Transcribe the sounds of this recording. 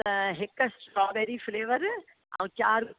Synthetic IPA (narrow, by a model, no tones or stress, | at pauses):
ɦekːɐsʈɾɔːbeɾifleːʋɐɾ | a̰ʋũt͡ʃaːɾ